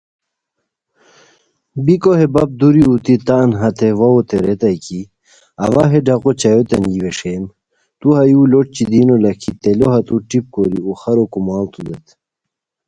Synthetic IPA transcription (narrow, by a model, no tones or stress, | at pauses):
bikoɦebɐp̚d̪uɾiut̪it̪ɐnɦɐt̪ʰeʋɐot̪eɾet̪ɐjki | ɐ̰ʋɐɦeɖɐqot͡ɕɐjot̪enjiʋeʂem | t̪uɦɐjuːloʈ̚t͡ɕid̪inolɐkʰit̪eloɦɐt̪uʈip̚koɾiuxɐɾokumaːlt̪ud̪et̪